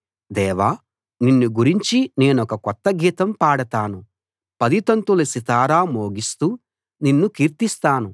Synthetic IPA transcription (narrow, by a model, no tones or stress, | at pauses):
d̪ɛːʋaː | ninːuɡuɾiɲt͡ʃine̞ːnɔkɐkɔt̪ːɐɡiːt̪ɐmpaːɽɐt̪aːnu | pɐd̪it̪ɐnt̪ulɐsit̪aːɾaːmoːɡist̪uː | ninːukiːɾt̪ist̪aːnu